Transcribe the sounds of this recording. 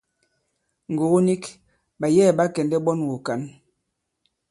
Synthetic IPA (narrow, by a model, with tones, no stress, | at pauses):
ŋ̩˨ɡo˨ɣo˦ni˦k | ba˨jɛː˦˨ba˦kɛ˨ndɛ˦bɔ˦nwo˨ka˨n